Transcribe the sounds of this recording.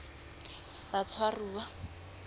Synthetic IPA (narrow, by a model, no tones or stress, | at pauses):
b̥at͡sʰwaruːwa